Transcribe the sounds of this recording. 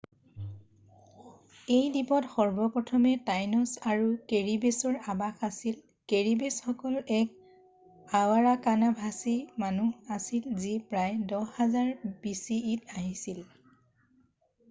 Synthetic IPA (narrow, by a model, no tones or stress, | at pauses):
ejdipɔtxɔɹbɔpɹɔtʰɔmɛtajnɔsaɹukeɹibesɔɹabakʰasil | keɹibesxɔkɔlɛk̚ | awaɹakanabʱasimanuasilzipɹajdɔhazaɹb̥isiitaɦisil